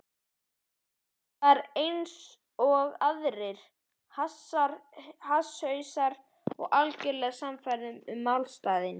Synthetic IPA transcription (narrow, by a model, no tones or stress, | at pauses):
θaɾejns | ɔɣaðɾɪɾ̥ | has | hashœɥsaɾ | ɔ̰ɣalcɛɾlɛːɣsamfajɾðʏmʏmːawlst̪aːðɪn